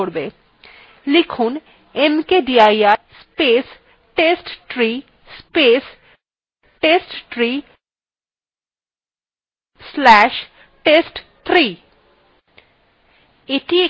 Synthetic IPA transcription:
oɾbe | likʰun | emkeɖiajaɾspes | ʈesʈʈɾi | spes | ʈesʈtɾi | slɛʃ | ʈesʈt̪ʰɾi | eʈie

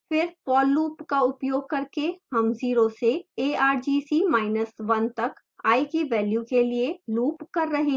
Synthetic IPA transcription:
fɪɾpɔːlːuːpkaʊpjoːɡ̚kɐɾkehɐmziːɾoseeːaːɾd͡ʒiːsimaːɪnəsʋɐnt̪ɐk | aːikiʋɛːljukelieluːpkɐɾːɐɦẽ

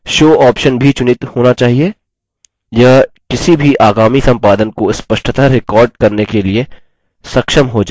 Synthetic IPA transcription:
ʃoːɔːpʃənbʱit͡ʃʊnɪt̪hoːnat͡ʃaːɦie | jɐɦ | kɪsibʱiʔaːɡaːmisɐ̃mpaːd̪ənkoɪspɐʃʈʰət̪aɾɪkɔːɾɖ̚kɐɾnekelie | sɐkʃəmɦod͡ʒaː

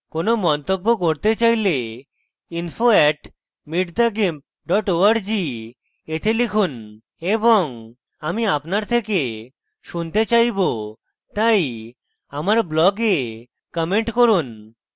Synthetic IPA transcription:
konomɔnt̪obːokoɾt̪et͡ɕajle | infʰoɛʈ | miʈd̪aɡemp̚ | ɖɔʈoaɾd͡ʑi | et̪ʰelikʰun | eboŋ | amiapnaɾt̪ʰeke | ʃunt̪et͡ɕajbo | t̪aj | amaɾblɔɡe | kɔmeɳʈkoɾun

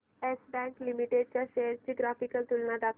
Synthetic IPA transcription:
esbɛ̃ŋklimiʈeɖ̚t͡ɕjaɕesd͡ʑiːɡɾafikəlt̪ulnad̪at̪

